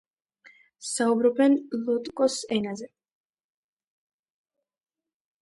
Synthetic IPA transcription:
saubɾɔbɛnlˠut̪ʼkʼɔsɛnazɛ

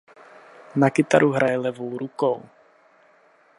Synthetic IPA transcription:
nakɪt̪aɾʔuɦɾʔajɛlɛvowɾukow

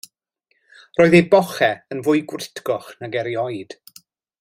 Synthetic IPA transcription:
rɔːɨðejbɔχɛənvʊjɡwɪtʰɡɔχnaɡɛɾjɔjd̥

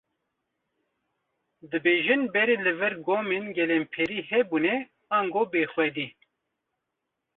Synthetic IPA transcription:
d̪ɨbeːʒɨnbɛɾelɨvɨɾɡoːmenɡɛlempʰɛɾihɛbunɛ | ɑːŋɡobeːxʷɛd̪i

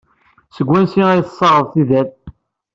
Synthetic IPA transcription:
səɡʷːænsiæjθsˤːɑʁəðˤθiðæθ

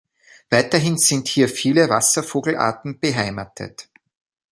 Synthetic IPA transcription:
v̥aɪtɐɦɪnz̥ɪnthiːɐfiːləvasɐfoːɡl̩ʔa̰ɐtn̩b̥əɦaɪmatʰə̰t

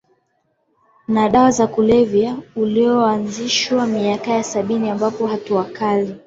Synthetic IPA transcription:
naɗawazakulɛvjauliɔanziʃwamiakajasaɓiniambapɔɦatuwakali

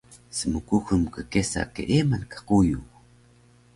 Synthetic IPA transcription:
səmukuxəmkəkesa̰keʔemankḁquju

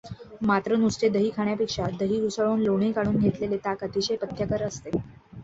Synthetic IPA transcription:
mat̪ɾənust͡ɕed̪əɦiːkʰaɳ̃japekʂad̪əɦiːɡusəɭoːnloɳ̃ikaɽ̃uːnɡʱet̪lelet̪akət̪iɕepət̪ʰːjakəɾəst̪e

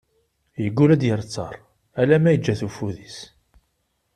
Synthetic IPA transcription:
jəɡːulæd̪jəɾˤt͡sːɑ̰ɾˤ | ælæmæjəd͡ʒːæθufuðis

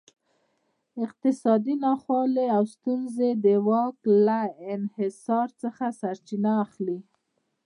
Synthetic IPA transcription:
ɪq̚t̪ɪsɑd̪inɑxwɑleawst̪unzed̪əwɑklaɪnhɪsɑɾt͡səxasaɾt͡ʃinaːxli

